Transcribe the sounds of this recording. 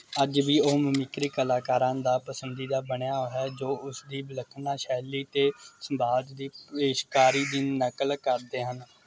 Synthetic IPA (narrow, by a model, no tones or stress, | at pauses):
əd͡ʒʋiːoːməmɪkɾikəlaːkaːɾãːnd̪aːpəsənd̪iːd̪aːbəɳjaːoːɦɛːd͡ʒoːʊsd̪iːbələkʰnaːʃɛːliːt̪eːsəmbaːd͡ʒd̪iːpeːʃkaːɾiːd̪iːnəkəlkəɾd̪eːɦən